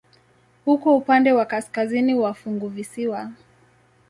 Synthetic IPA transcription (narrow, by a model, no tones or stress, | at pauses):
hukɔupandɛwakaskaziniwafuŋɡuvisiwa